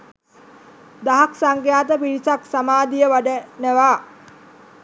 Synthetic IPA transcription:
d̪aɦaksaŋɡjaːt̪̬əpiɾisaksamaːd̪ijəʋaɖənəʋaː

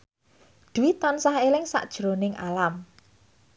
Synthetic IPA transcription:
d̪̥uwit̪ɔnsaɦelɪŋsa̰ʔd̥ʒ̥ɾonɪŋa̰lam

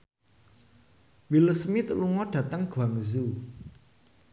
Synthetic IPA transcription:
wiləsmit̪əluŋɔɖ̥ä̤t̪əŋɡ̥waŋzu

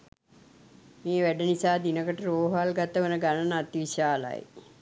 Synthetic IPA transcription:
meːʋæɖənisaːd̪inəkəʈəɾoːɦalɡat̪əʋənəɡanənəat̪ʋiɕaːla̰j

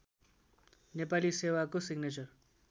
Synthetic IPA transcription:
nepalisewakosiɡnet͡sʌr

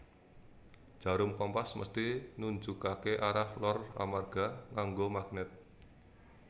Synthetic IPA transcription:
ʒ̥a̤ɾʊmkɔmpasmə̰st̪inuɲt͡ʃukakeʔaɾahlɔra̰marɡ̥a̤ŋaŋɡomaɡ̥̚nɛt̪̚

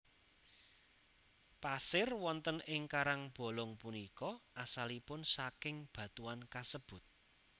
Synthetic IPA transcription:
pasɪrwɔnt̪ənɪŋkaɾaŋb̥o̤lɔŋpunikɔʔasalipʊnsakɪŋb̥ä̤t̪uankasəb̥ʊ̤t̪̚

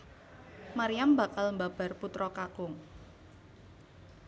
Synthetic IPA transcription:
maɾijamba̤kalmbab̥a̤rput̪ɾɔkakʊŋ

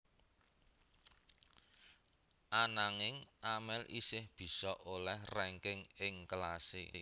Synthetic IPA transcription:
ʔanaŋɪŋʔamɛlʔḭsɪhb̥i̤sɔʔolɛhrɛŋkɪŋɪŋkəlase

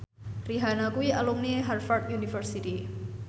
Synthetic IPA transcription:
riɦanakuiʔalumniɦarfart̪junifərsit̪i

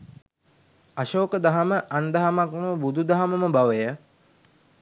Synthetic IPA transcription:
aʃoːkəd̪aɦaməʔand̪aɦamakməbud̪ud̪aɦaməməbaʋəjə

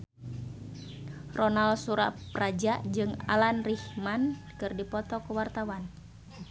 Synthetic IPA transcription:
rɔnalsuɾa̰prad͡ʒaʔd͡ʒɨŋa̰lanrihmankɨrdipɔt̪ɔkuwart̪awan

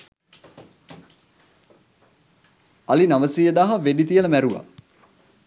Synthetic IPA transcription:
alinaʋəsijəd̪aɦaʋeɖit̪ijələmæɾuʋa̰

